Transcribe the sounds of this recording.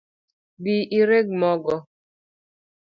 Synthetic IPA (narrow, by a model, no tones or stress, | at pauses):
biʔiɾeɡ̚mɔɡɔ